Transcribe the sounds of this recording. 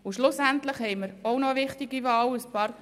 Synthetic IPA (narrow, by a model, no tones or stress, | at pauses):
ʊʃlʊsænt̪ləχhɛɪməɾoʊnɔvɪχtiɡivɑːləspɑːɾ